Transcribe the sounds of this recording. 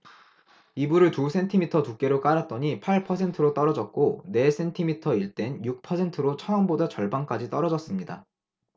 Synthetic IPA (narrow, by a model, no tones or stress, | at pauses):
ibuɾɯɭtusʰe̞ntʰimitʰʌtuk͈e̞ɾok͈aɾat̚t͈ʌɲipʰaɭpʰʌsʰe̞ntʰɯɾot͈ʌɾʌd͡ʑʌk̚k͈one̞sʰe̞ntʰimitʰʌiɭt͈e̞njuk̚pʰʌsʰe̞ntʰɯɾot͡ɕʰʌʌmbodat͡ɕʌɭbank͈ad͡ʑit͈ʌɾʌd͡ʑʌs͈ɯmɲida̰